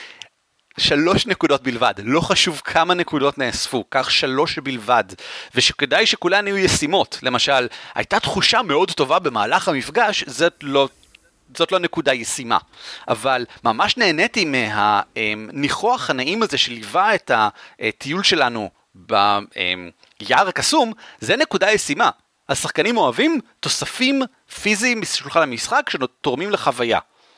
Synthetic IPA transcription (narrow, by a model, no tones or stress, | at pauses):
ʃalo̞ʃnekudo̞t̚bilvadlo̞χaʃuvkʰamanekudo̞tneasfukaχʃalo̞ʃbilvadveʃeke̞dajʃekulanajujesimo̞tle̞maʃalha̰jtatχuʃame̞o̞dto̞vabe̞maːlaχhamifɡaʃzolo | z̥o̞tlonekudajesima̰ʔa̰valmamaʃne̞ːne̞timeɦa̰emniχoaχhanaʔimaze̞ʃelivae̞taʔtʰijulʃe̞lanu | ba̰ḛm | jaʁakasumzene̞kudajesima | hasaχkanimo̞avimto̞safim | fizimbiʃulχanamisχakʃetoʁmimleχavaja̰